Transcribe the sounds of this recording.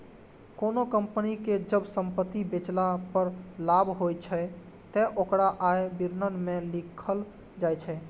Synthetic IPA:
konokəmpniked͡ʒəbsəmpət̪ːibet͡ʃlapəɾlabʱɦojt͡ʃʰə | t̪ɛʔokɾaʔaebiɾnənmelikʰəl | d͡ʒajt͡ʃʰɛ

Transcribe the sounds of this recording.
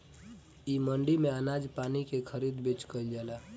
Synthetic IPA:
iməɳɖimeənad͡ʒpanikekʰəɾid̪bet͡ʃkəɪld͡ʒala

